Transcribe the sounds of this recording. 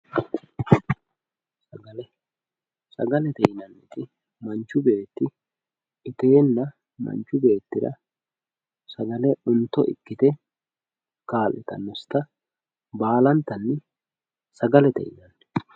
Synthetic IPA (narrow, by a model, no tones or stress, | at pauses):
sɐɡɐlɛ | sɐɡɐlɛt̪ɛjɪnɐnɪt̪ɪ | mɐnt͡ʃːʊbe̞ːt̪ːɪ | ɪt̪e̞ːnːɐ | mɐ̰nt͡ʃːʊbe̞ːt̪ːɪd̪ɐ̰ | sɐɡɐlɛʊnt̪ːɔʔɪ̰kːɪt̪ɛ | kaːlʔɛt̪ɐ̰nːɔst̪ɐ | baːlɐnt̪ːɐnːɛ | sɐɡɐlɛt̪ɛ̰jɪnɐnː